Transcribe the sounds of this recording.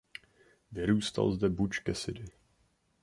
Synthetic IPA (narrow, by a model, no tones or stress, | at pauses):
vɪɾuːst̪a̰lzdɛbut͡ʃkɛsɪdɪ